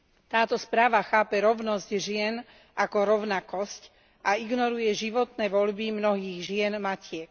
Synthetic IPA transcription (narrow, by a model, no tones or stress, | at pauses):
t̪aːt̪ɔspɾaːʋaxaːpɛɾɔʊnɔzɟʒɪɛn | ʔakɔɾɔʊnakɔsc | ʔaiɡnɔɾujɛʒiʋɔt̪nɛːʋɔʎbimnɔɦiːɣʒɪɛnmacɪɛk